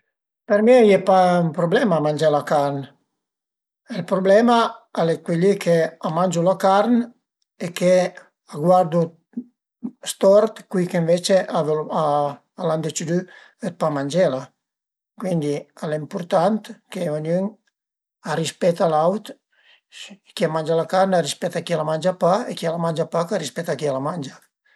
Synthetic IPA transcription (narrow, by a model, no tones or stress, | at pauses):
peɾmejɛpaumpɾoblɛmamand͡ʒɛlakaɾn | elpɾoblɛmaalekwilikʰeamand͡ʒulakaɾn | eke | aɡwaɾd̪u | st̪ɔɾt̪kwikeɱvet͡ʃeavaː | land̪et͡ʃid̪y | et̪̚pamanʲd͡ʒɛla | kwind̪ialempuɾt̪ant̪keanyŋ | arispɛt̪alawt̪ | kiamand͡ʒalakaɾnarispɛt̪akialamanʲd͡ʒapaekialamanʲd͡ʒapakarispɛt̪akialamand͡ʒa